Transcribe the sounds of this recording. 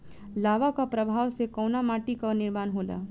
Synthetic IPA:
laːʋakapɾɐbʱaːʋsekɐwnamaːʈikanɪɾmaːnɦoːla̰ː

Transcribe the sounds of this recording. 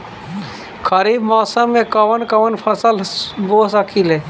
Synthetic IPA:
kʰəɾiːbmɔːsəmːẽkɐʋənkɐʋənpʰɐsəlbosəkʰilɦɛː

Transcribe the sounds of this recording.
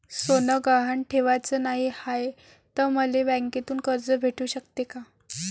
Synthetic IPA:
sonəɡaɦaɳʈʰeʋat͡səːnaɦihaj | t̪əɾməleʋɛ̃ŋket̪uːnkəɾd͡zəbʱeʈuːɕəkt̪eka

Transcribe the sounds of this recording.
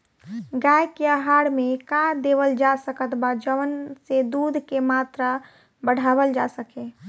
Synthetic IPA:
ɡaekeəɦaɽmekad̪eʋəld͡ʒasəkət̪bad͡ʒəʋənsed̪ud̪ʱkemat̪ɾa | bəɽ̤abəld͡ʒasəke

